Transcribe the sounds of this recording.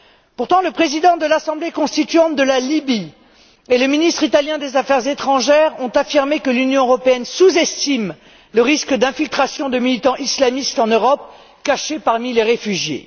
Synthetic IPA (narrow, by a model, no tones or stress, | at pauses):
puʁt̪ɑ̃ləpχezid̪ɑ̃d̪əlasɑ̃blekɔ̃st̪it̪ɥɑ̃d̪əlalibi | eləminist̪χit̪aljɛ̃d̪ezafɛʁzet̪χɑ̃ʒɛʁɔ̃t̪afiʁmekəlynjɔ̃øʁɔpeɛnsuzɛst̪im | ləʁiskd̪ɛ̃filt̪χasjɔ̃d̪əmilit̪ɑ̃ʔislamist̪ɑ̃nøʁɔp̚ | kaʃepaʁmileʁefyʒjḛ